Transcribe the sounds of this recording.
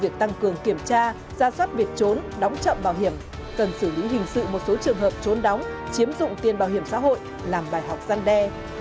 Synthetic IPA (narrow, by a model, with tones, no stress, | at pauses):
vi˨˩ək̚t̪a˧ŋkɨ˨˩əŋki˧˩əmt͡ɕaː˧ | zaː˧swa˦˥t̚vi˨˩ək̚t͡ɕo˨˦nɗɔ˨˦wŋ͡mt͡ɕə̰˧˨mɓaː˧˩wɦi˧˩əm | kə˨˩nsɨ˧˩li˨˦ɦï˨˩ŋ̟sɨ̰˧˨mo˨˩t̚so˨˦t͡ɕɨ˨˩əŋɦəː˨˩p̚t͡ɕo˨˦nɗɔ˨˦wŋ͡mt͡ɕi˨˦əmzʊ̰˧˨ŋ͡mt̪i˨˩ənɓaː˨˩whi˧˩əmsa̰ː˧˥ɦo̰˧˨j | laː˨˩mɓaː˨˩jɦa˨˩wk͡p̚z̥a˧nɗɛ˧